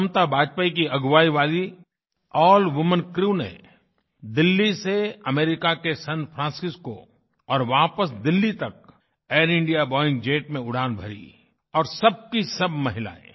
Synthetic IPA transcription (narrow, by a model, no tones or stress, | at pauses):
mt̪abʱaːd͡ʒpaikiɐɡʋaːiʋaːli | ɔːlʋʊmənkɾuːnḛ | d̪ɪlːiseɐmeːɾɪkakesɐ̃npʰɾãːsɪsko̰ | ɔːɾʋaːpəsd̪ɪlːit̪ɐk̚ | eːɾɪ̃ɳɖijabɔːɪ̃ŋɡd͡ʒeːʈmẽʊɽ̤aːnbʱɐɾḭ | ɔːɾsɐb̚kisɐb̚mɐɦɪla̰ːḛ